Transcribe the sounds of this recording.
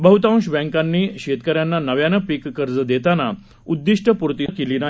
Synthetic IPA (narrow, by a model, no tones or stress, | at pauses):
bəɦut̪ãɕbɛ̃ŋkanːiːɕet̪kəɾjanːanəʋjanəpikːəɾd͡zəd̪et̪ana | ud̪ːiʂʈʰəpuɾt̪ikelina